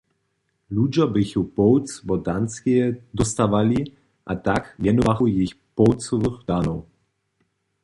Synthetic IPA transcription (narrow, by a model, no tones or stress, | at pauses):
lud͡ʒɔbɪxupɔwt͡sbɔd̪anskiɛd̪ɔst̪avali | ʔat̪akvjɛnɔvaɣuwjixpɔwt͡sɔvɨxd̪anɔw